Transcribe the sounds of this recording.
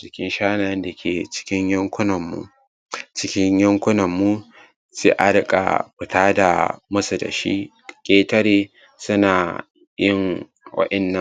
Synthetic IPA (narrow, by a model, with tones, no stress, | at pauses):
t͡ʃɪ˨kʲɪ˦nʃaː˦na˨jɐ˦nda˨kʲʰeː˨t͡ʃɪ̥˦kʲɪ˦ɲjɐ˦ŋkʷʊ˦nɐ˨mːṵ˦ | t͡ʃɪ˦kʲɪ˦ɲjɐ˦ŋkʷʊ˦nɐ˨mːu˦ | si˦ʔa̰˦ɽkʼa̰˨ɸɪ˨taː˦da̰˨mʊ˦su˨da̰˨ʃḭ˦ | kʲʼeː˦tɐ˦ɽeː˦ | sʊ˦naː˨ | jɪ˦ŋ | wɐ̰˦ʔɐ˨nːɐ˨